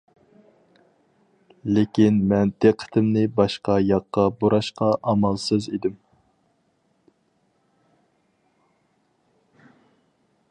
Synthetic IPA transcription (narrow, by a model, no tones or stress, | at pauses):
lekʲinmɛnd̪eqʰːə̥t̪ʰɪmnɪbɑʃqɑjɑqːɑboɾɑʃqʰɑʔɑmɑlˠsɨzid̪ɪm